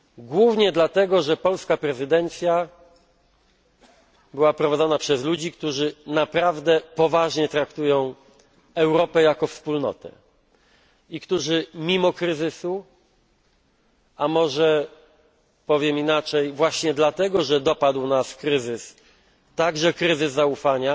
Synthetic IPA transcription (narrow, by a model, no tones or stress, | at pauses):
ɡwuvɲɛd̪lat̪ɛɡɔʐɛpɔlskapɾɛzɘd̪ɛnt̪sʲja | bɘwapɾɔvad̪zɔnapʂɛzlud͡ʑikt̪uʐɘnapɾavd̪ɛpɔvaʐɲɛt̪ɾakt̪ujɔ̃w̃ | ɛwɾɔpɛjakɔfspulnɔ̰t̪ɛ̰ | ikt̪uʐɘmʲimɔkɾɘzɘsu | amɔʐɛ | pɔvʲjɛminat͡ʂɛjvwaɕɲɛd̪lat̪ɛɡɔʐɛd̪ɔpad̪wnaskɾɘzɘs | t̪aɡʐɛkɾɘzɘzːaufaɲa